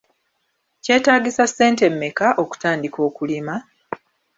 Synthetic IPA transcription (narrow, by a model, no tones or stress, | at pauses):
ce̞ːtaːɡisasːe̞ːnte̞mːekaʔo̞ku̥taːndiko̞ːkulima